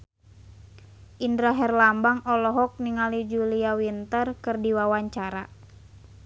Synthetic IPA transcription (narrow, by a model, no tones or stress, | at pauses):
ʔindɾaɦɛrlambaŋɔlɔɦɔk̚niŋalid͡ʒuliawint̪ərkɨrdiwawaɲt͡ʃaɾa